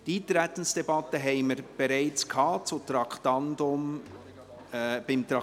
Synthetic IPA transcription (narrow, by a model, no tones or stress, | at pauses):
d̥it̪ɾɛt̪ən̩sd̥ɛbɑtəɦɛɪməɾb̥ɛɾaɪt͡skʰhɑːt͡sut̪ɾɑkʰt̪ɑndʊm | b̥ɪmt̪ɑ